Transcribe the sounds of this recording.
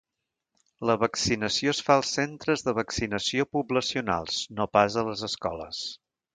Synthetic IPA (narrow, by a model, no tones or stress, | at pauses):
ləβəksinəsioəsfaəlˠsːent̪ɾəzðəβəksinəsiopubləsiuna̰lˠsnopazələzəskɔ̰lə̰s